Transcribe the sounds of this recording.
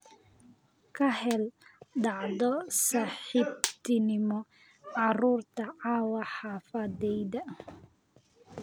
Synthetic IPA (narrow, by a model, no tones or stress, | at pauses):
kʰɐhɛlɖɑʕðɔsaːħibt̪ʰɪnɪmɔ | ɑruːrt̪ʰɐʕɑːwɐħɑːfɐðɛjd̪ɐ